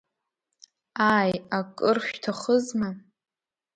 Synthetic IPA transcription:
ajakʼɨrʃʷᶣtʰaχəzma

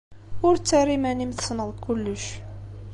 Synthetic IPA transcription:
ʊɾt͡sːarimænimθəsnəðˤkʊlːəʃ

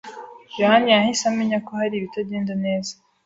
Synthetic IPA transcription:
johanijahisameɲakohaɾiβitaɟeːndane̞ːza

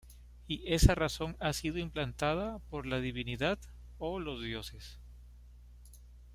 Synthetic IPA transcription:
iʔe̞saraso̞ŋasiðoimplant̪aðapo̞ɾlaðiβiniðað | olo̞zðjo̞se̞s

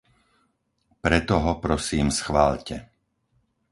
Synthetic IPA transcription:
pɾɛt̪ɔɦɔpɾɔsiːmsxʋaːʎcɛ

